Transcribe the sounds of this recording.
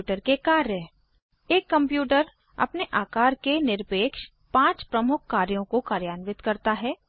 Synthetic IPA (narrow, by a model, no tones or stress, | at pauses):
ʈəɾkekaːɾjə | eːkːɐ̃mpjuːʈəɾ | ɐ̰pneʔaːkaːɾkenɪɾpeːkʃ | pãːt͡ʃpɾɐmʊkʰːaːɾjõkokaːɾjaːnʋɪt̪kɐɾt̪aɦɛː